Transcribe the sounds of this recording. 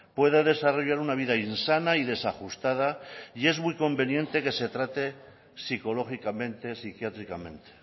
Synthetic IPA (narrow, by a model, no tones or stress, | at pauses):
pwe̞ðaðe̞saro̞ʝaɾunaβ̞iðainsanaiðe̞saxust̪að̞aie̞zmwijko̞mbe̞nje̞nt̪e̞ke̞se̞t̪ɾat̪e̞ | siko̞lo̞xikamẽ̞nt̪esikjat̪ɾikamẽ̞nt̪e̥